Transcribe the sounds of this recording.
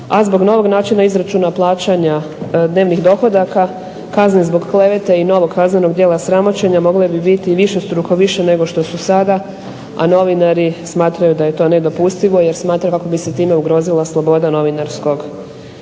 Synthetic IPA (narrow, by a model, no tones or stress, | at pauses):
azbo̞ɡno̞ʋo̞ɡnaːt͡ʃinaizɾat͡ʃunaplˠaːt͡ʃaɲa | d̪neʋniɣd̪o̞xo̞d̪aka | kaznezbo̞ɡkle̞ʋet̪aino̞ʋo̞ɡkazne̞no̞ɡd̪jeːlasɾamo̞t͡ɕe̞ɲamo̞ɡlebibit̪iʋiʃe̞st̪ɾuxoʋiʃene̞ɡo̞ʃt̪o̞susad̪a | a̰no̞ʋinaɾismaːt̪ɾajud̪aje̞t̪o̞ːne̞d̪o̞pust̪iʋo̞je̞ɾsmaːt̪ɾakako̞bise̞t̪iːme̞uɡɾo̞ːzilˠaslˠo̞bo̞d̪ano̞ʋinaɾsko̞ɡ